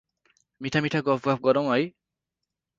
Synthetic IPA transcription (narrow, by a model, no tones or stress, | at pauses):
miʈʰamiʈʰaɡɔpʰɡap̚ʰɡɔɾɔ̃w̃ɦʌj